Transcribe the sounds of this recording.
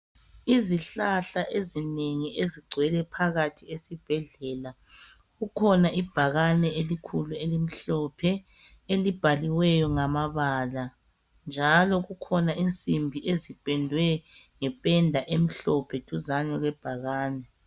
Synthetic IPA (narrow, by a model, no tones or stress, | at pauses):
iziɬaɬaʔezineŋieziɡ͡ǀʱwɛlɛpʰaɣatʰiesib̥ʱɛɮɛːla | ɣukʰɔnaʔib̥ʱaɣanɛelikʰuluelim̩ɬɔpʰɛ | elib̥ʱaliwɛjɔŋamaβaːla | nd͡ʒʱalɔɣukʰɔnaint͡sʼimbʱiʔezib̥ʼʱɛndʱwɛŋɛpʼɛndʱaʔem̩ɬɔpʰɛtʼuzaɲɛɣɛb̥ʱaɣaːnɛ